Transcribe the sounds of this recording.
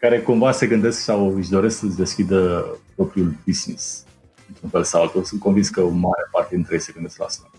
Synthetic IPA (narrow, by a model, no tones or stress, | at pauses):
kaɾe̞kumvase̞ɡɨnd̪e̞sksawɨʃd̪o̞ɾe̞sksət͡ʃʲd̪e̞skʲid̪əpɾo̞pɾiulbisnis | ɨnt̪ɾunfe̞lsalt̪usunt̪̚ko̞nvinskəmaɾeapart̪e̞d̪int̪ɾejesəɡɨnd̪e̞skla̰st̪a